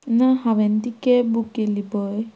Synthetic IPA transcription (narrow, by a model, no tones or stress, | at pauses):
naɦawɛnt̪ikɛbukelibɔj